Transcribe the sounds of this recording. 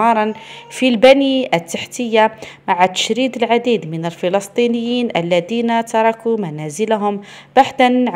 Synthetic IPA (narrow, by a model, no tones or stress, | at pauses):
ɑɾˤɑnfilbæniʔət̪ːaħt̪əjːamaʕat̪ə̥ʃɾid̪əlʕad̪iːd̪mənælfəlɑsˤt̪ˤinəjːiːnʔæ̰lːæd̪iːnat̪ɑɾˤɑkumænæzəlɦʊm | baħd̪anʕ